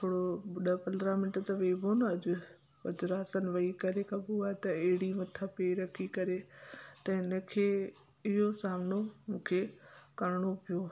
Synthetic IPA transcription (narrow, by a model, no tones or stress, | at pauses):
t̪ʰoːɽoɗɐpɐ̃nd̪ɾamɪnɪʈt̪ɐʋeːbʱonɐʄʊ̆ | ʋɐd͡ʑɾaːsənɪ̆ʋɐikɐɾekʰɐbuaːet̪ɐeɦɪɽimɐt̪ʰapeːɾɐkʰikɐɾet̪ɐɪnə̆kʰeː | ɪɦosaːmɪnomũːkʰekɐɾɪɽ̃opijoː